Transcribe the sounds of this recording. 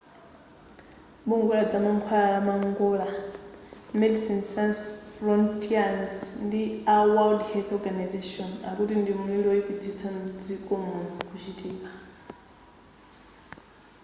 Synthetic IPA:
ɓuŋɡulad͡zamaŋkʰwaaɺamaŋɡula | mɛdisinsansfɾɔntʰʼiansndiawaldhɛlθɔɡanazeʃɔna̰kutindimidoipit͡sʰit͡sʰand͡zikʼɔmɔkut͡ʃʰitʼʰiːpa

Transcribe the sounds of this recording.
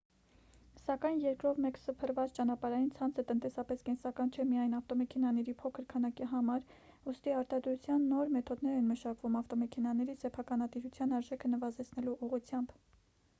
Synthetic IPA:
sɑkɑjnjɛɾkɾɔvmɛksəpʰərvɑt͡st͡ʃɑnɑpɑɾɑjint͡sʰɑnt͡sʰət̪ənt̪ɛsɑpɛskɛnsɑkɑnt͡ʃʰɛmijɑjnɑft̪ɔmɛkʰɛnɑnɛɾipʰɔkʰəɾkʰɑnɑkiɦɑmɑɾ | ust̪iɑɾt̪ɑd̪ɾut͡sʰjɑnːɔɾmɛt̪ʰɔd̪nɛɾɛnməʃɑkvumɑft̪ɔmɛkʰɛnɑnɛɾisɛpʰɑkɑnɑt̪iɾut͡sʰjɑnɑɾʒɛkʰənəvɑzɛt͡sʰnɛluʔuʁut͡sʰjɑmb

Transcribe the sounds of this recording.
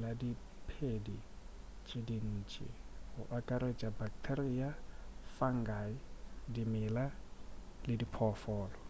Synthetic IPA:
ladi | pʰedi | t͡ʃʼɪdin̩ːt͡ʃʼɪ̰hʊʔakʼaɾet͡ʃʼabak̚tʰeriafaŋ̩ɡaɪdimɪla | lɪdipʰɔfɔːlɔ

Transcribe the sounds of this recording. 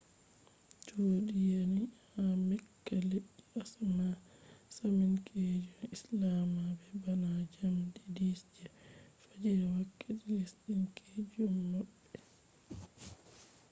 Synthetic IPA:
d͡ʒodijanihamɛkːaleɗːiʔasmasaminkʰed͡ʒɔmislamabɛbanad͡ʒamdidisd͡ʒɛfad͡ʒiɾɛwakːetilisɗinkʰed͡ʒɔmːaɓːɛ

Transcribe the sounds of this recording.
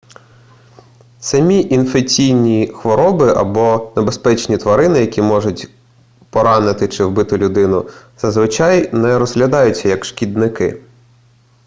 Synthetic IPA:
sɐmʲiʔinfekt͡sʲijnʲixʋɔɾɔbɪʔɐ̰bɔnebespɛt͡ʃnʲit̪ʋɐɾɪnɪjɐkʲimɔʐʊtʲ | pɔɾɑnɪt̪ɪt͡ʃɪwbɪt̪ɪlʲʊd̪ɪnʊz̥ɐzʋɪt͡ʃɑjnɛɾɔzɦlʲɐd̪ɑjʊt͡sʲːɐjɐkʃkʲid̪nɪkɪ̰

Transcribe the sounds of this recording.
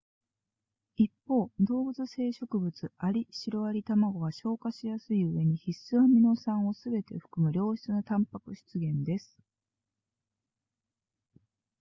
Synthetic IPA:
ipːo̞ːd̪o̞ːbɯ̟t͡sɨse̞ːɕo̞kɯ̟bɯ̟t͡sɨaɾʲiɕiɾo̞aɾʲit̪amaɡo̞ɡaɕo̞ːkaɕijasɨiɯ̟e̞ɲ̟içisɨβamʲino̞sãɰ̃o̞sɨbe̞t̪e̞ɸɯ̥kɯ̟mɯ̟ɾʲo̞ːɕi̥t͡sɨnot̪ãmpakɯ̟ɕi̥t͡sɨɡẽ̞nd̪e̞sɨ̥

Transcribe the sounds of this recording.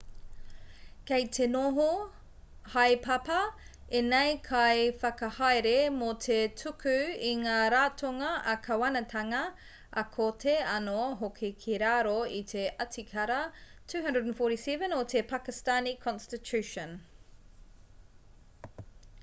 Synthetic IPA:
kejtʰenoɦo | hajpʰɐpɐ | enejkʰajfɐkɐhajɾemotʰetʰʉkʰʉiŋaːɾaːtʰoŋɐʔɐkʰɐwɐnɐtʰɐŋɐ | ʔɐkʰotʰeɐnoɦokʰikʰiɾaːɾoit̪ʰeʔɐtikʰɐɾɐtʰʉːɦɐ̃ndədnfoɾisɛvə̃notʰepʰakistanikʰɔ̃nstitʰʉʃə̃n

